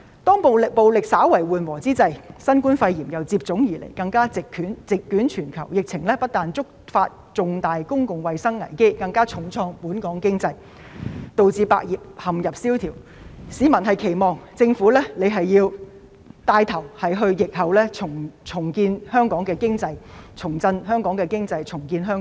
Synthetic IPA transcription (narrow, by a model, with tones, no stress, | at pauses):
t̪ɔː˥ŋpo˨wlɪ˨k̚po˨wlɪ˨k̚saː˨˥wɐ˨˩jwuː˨˩nwɔː˨˩t͡siː˥t͡sɐ˧jsɐ˥nkuː˥nfɐ˧jjiː˨˩mjɐ˨˩wt͡siː˧p̚t͡sʊ˨˥ŋjiː˨˩lḛ˨˩jkɐ˧ŋkaː˥t͡sɪ˨kʰyː˨˥nt͡sɪ˨kːyː˨˥nt͡ʃʰyː˨˩nkʰɐ˨˩wjɪ˨k̚t͡sʰɪ˨˩ŋlɛː˥pɐ˥t̚t̪aː˨nt͡sʊ˥k̚faː˧t̚ | t͡sʊ˨˧ŋt̪aː˨jkʊ˥ŋkʊ˨ŋwɐ˨jsɐ˥ŋːɐ̰˨˩jke˥jkɐ˧ŋkaː˥t͡sʰʊ˨˩ŋt͡sʰɔː˧ŋpuː˨˥nkɔː˨˥ŋkɪ˥ŋt͡sɐ˧j | t̪o˨wt͡siː˧pa̰ː˧k̚jiː˨p̚hɐ˨mjɐ˨p̚siː˥wt̪ʰiː˨˩w | siː˨˧mɐ˨˩nɦɐ˨jkʰe˨˩jmɔː˨˩ŋt͡sɪ˧ŋfuː˨˥lɛː˥ne˨˧ɦɐ˨jːiː˧w | t̪aː˧jt̪ʰɐ˨˩whɐ˨jɦɵ˧ɥjɪ˨k̚hɐ˨˩wlɛː˥t͡sʰʊ˨˩ŋt͡sʰʊ˨˩ŋkiː˧nhœː˥ŋkɔː˨˥ŋkɛː˧kɪ˥ŋt͡sɐ˧jt͡sʰʊ˨˩ŋt͡sɐ˧nɦœː˥ŋkɔː˨˥ŋkɛː˧kɪ˥ŋt͡sɐ˧jt͡sʰʊ˨˩ŋkiː˧nɦœː˥ŋ